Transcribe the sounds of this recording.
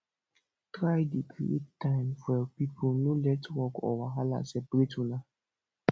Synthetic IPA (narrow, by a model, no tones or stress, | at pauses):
tɾaɪdikʰiḛtãɪmfɛpipʰʊnũlɛtwɔkɔ̰waɦala̰sɛbɾetula